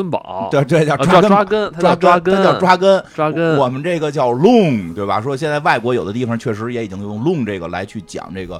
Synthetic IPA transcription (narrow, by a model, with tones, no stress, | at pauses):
ə˥np̪we˥˩ɪt̪̬we˥˩ɪt͡ɕjʊʈ͡ʂwa˥kə˥a˥kə˥nʰ˥ʈ͡ʂwa˥ka˥kə˥˩jɑ˥˩ʊʈ͡ʂwa˥kə˥na˥kə˥wɔ˨˩mə˦nʈ͡ʂɤ˥˩ɡə˩t͡ɕjɑ˥˧ʊlʊ˥˩ŋt̪we˥˩ɪbɐ̰˩ʂwɔ˥ɕjɛ˥˧nt͡sa˥˧ɪwa˥˩ɪkwɔ˧˥jo˨˩ʊd̪ə˦t̪i˥˩fɑ˨˩ŋt͡ɕʰɥɛ˥˩ʂɻ̩˧˥jɛ˧˥i˨˩t͡ɕi˥ŋxjʊ˥˧ŋlʊ˥˧ŋʈ͡ʂɤ˥˩ɡə˩la̰˧˥ɪt͡ɕʰy˥˩t͡ɕjɑ̰˨˩ŋʈ͡ʂɤ˥˩ɡə̰˩